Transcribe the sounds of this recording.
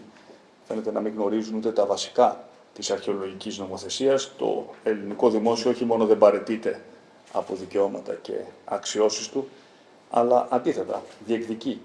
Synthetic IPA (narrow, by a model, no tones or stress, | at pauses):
fe̞net̪e̞nɐmiŋɣno̞ɾizunut̪e̞t̪ɐvɐsi̥kɐ | t̪isɐɾçeo̞lo̞ʝicizno̞mo̞θe̞siɐst̪o̞̰e̞liniko̞ðimo̞sio̞oçimo̞no̞ðe̞mbɐɾe̞t̪it̪e̞ | ɐ̰po̞ðice̞o̞mɐt̪ɐce̞̰ɐksio̞sist̪u | ɐ̰lɐʔɐnd̪iθet̪ɐ̰ðie̞kt̪ici